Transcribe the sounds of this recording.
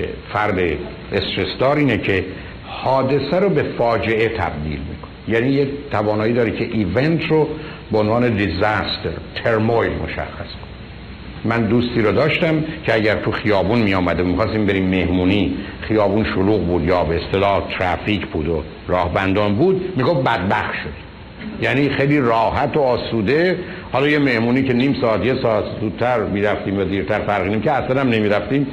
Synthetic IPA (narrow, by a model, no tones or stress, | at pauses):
ḛfæɾd̪e | est̪ɾesd̪ɒːɾiːnecʰe̞ | hɒːd̪e̞sæɾobe̞fɒːd͡ʒe̞e̞t̪ʰæ̰b̚d̪ḭːlmḭːkʰonejæːniːjet̪ʰævɒːnɒːiːd̪ɒːɾecʰe̞ʔiːvent̪ʰɾo | beonvɑːne̞d̪ezæst̪ʰeɾt̪ʰe̞ɾmojlmo̞̰ʃæ̰xːæskʰon | mænd̪uːst̪iːɾod̪ɒːʃt̪æmcʰeæɟæɾt̪ʰuxijɒːbunmijɒːmæd̪emixɒːst̪iːmbe̞ɾiːmːehmuːniχijɒːbuːnʃoluːɣbuːd̪jɒːbeest̪elɒːht̪ʰɾæficʰbuːd̪o | ɾɒːhbænd̪ɒːnbuːd̪miːɡofbæd̪̚bæxt̪ʃod̪ | jæːniːxejliːrɒːɦæt̪ʰoɒːsuːd̪e̞ | hɒːlɒːjeme̞hmuːniːce̞niːmsɒːæt̪jesɒːæt̪zuːd̪̚t̪ʰːæɾmiːɾæft̪iːmjæd̪iːɾt̪ʰæɾfæɾɣiniːmkcʰeæslæɾæmnemiːɾæft̪iːm